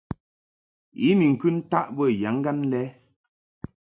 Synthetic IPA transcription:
i˨˦mi˨ŋ̩˨kʉ˦n̩˦ta˦ʔbə˦˨ja˨˦ŋ˦ɡa˦nlɛ˦

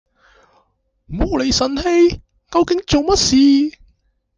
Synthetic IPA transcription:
mo˨˥le˨˧jsɐ˨˩nhe˧j | kɐ˧wkɪ˨˥ŋt͡so˨wmɐ˥t̚siː˨

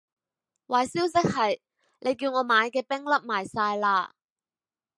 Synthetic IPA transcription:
waː˨˩jsiː˥wsɪ˥k̚hɐ˨j | lʔe˨˧jkiː˧wŋɔː˨˧maː˨˧jkɛː˧pɪ˥ŋlɐ˥p̚maː˨˩jsaː˧jlaː˧

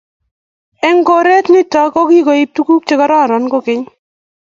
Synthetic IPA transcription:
ɛ˦ŋɡo˨ɾe˦t̪nɪ˦tɔ˨ko˦ki˦ko˨i˦p̚tu˦ku˦k̚t͡ʃe˦kɔ˦ɾɔ˦˨ɾɔ˨nko˦kɪ˦ɲ

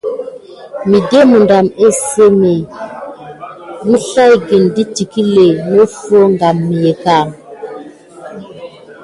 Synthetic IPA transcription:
mi˨de˦mu˨nda˨me˦se˦me˨ | mi˦ɬa˦jɡi˨ndi˦ti˨ki˦le˨mo˦fo˦ŋɡa˨mːi˨je˨ka˦˨m

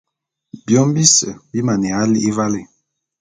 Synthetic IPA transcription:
bjɔ˦m˦bi˦sə˨bi˦ma˨ne˨a˦li˦i˦va˦le˨

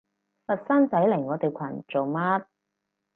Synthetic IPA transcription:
fɐ˨t̚sɐ˥nt͡sɐ˨˥jlɪ˨˩ŋːɔː˨˧t̪e˨˩jkʷʰɐ˨˩nt͡so˨wma˥t̚

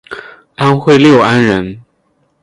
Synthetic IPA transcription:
a˥nxwe˥˧ɪljo˥˩ʊa˥nɻə˧˥n

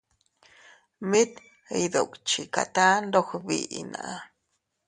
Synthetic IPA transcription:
mi˦t̪ | ə˧jd̪o˨kt͡ʃi˨ka̰˨t̪a˦nd̪o˦xbḭʔina̰˨ʔa˧

